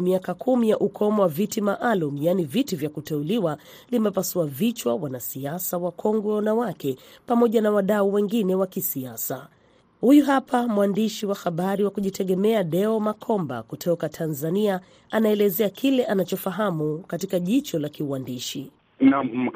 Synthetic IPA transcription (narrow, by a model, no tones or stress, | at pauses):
miakakʰumijaʔukʰɔmɔwavitimaʔalum̩janivitivjakutɛuliwa | limɛpasuavit͡ʃwawanasiasawakʰɔŋɡwɛnawakɛpamɔʄanawaɗauwɛŋɡinɛwakisiasa | hujuɦapamwandiʃiwaxaɓaɾiwakuʄitʰɛɠɛmɛaɗɛɔmakʰɔmba̰kutʰɔkatʰanzania | anaɛlɛzɛakʰilɛʔanat͡ʃɔfaɦamukatikaʄit͡ʃɔlakiuwandiʃi | na